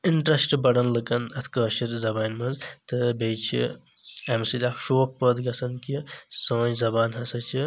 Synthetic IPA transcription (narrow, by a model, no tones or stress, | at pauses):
iɳʈɾɐsʈbɐɽɐnlɐkɐnɐt̪ʰkəːʃiɾzɐbaːnmɐzt̪ɨbejt͡ʃʰḭ | ɐmsilʲakʃoːk̚pəd̪ɡɐsɐnkisɐʋɐ̃jzɐbaːnɦɐsɐt͡ʃʰi